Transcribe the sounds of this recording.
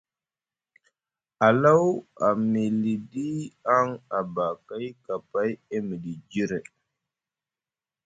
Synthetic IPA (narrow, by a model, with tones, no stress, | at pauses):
a˨la˦wa˨mi˨li˨di˦a˦ŋa˨ba˨ka˦jka˨pa˦je˦mi˨di˨d͡ʒi˦ɾe˨